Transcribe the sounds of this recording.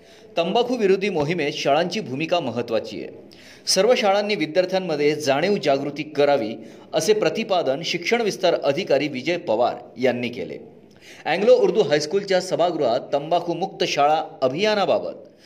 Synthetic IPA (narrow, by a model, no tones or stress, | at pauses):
t̪əmbakʰuːʋiɾud̪ʱiːmoɦimet̪ɕaɭaɲt͡ɕiːbʱumikaməɦət̪ːʋat͡ɕḭːjḛ | səɾʋəɕaɭanːiːʋid̪jaɾt̪ʰjamːəd̪ʱːjed͡zaɽ̃iwd͡ʑaɡɾut̪iːkəɾaʋḭː | əsepɾət̪ipad̪ənɕikʂəɳ̃ʋist̪aɾəd̪ʱikaɾiːʋid͡ʑəjpəʋa̰ɾjanːiːkḛlḛ | æ̃ŋɡlouɾd̪ʱuːɦajskult͡ɕjasəbʱaɡɾuɦat̪ːəmbakʰuːmuk̚t̪əɕaɭaəbʱijanaba̰bə̰t̪̚